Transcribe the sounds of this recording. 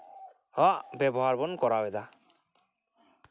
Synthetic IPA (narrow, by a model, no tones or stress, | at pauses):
hɔʔbɛbɔɦaɾbɔnkɔɾawɛd̪a